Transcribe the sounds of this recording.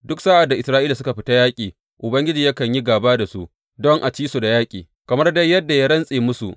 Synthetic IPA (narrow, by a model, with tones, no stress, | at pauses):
dʊ˦ksa˦ʔa˨dːa˨ʔɪ˨sɾaː˦ʔiː˦la˨sʊ˦ka˨ɸɪ˦ta˦jaː˦kʲʼiː˨ | ʔʊ˨bɐ˦ŋɡʲɪ˦d͡ʒiː˨ja˦kɐ˨ɲji˦ɡaː˨baː˦da˨su˦ʔ | dɔ˦ŋʔa˨t͡ʃiː˦su˨da˨jaː˦kʲʼiː˨ | kɐ˨mɐ˦rda˦jːɐ˦dːa˨ja˦ɽɐ˦nsʼeː˨mʊ˦sṵ˨ʔ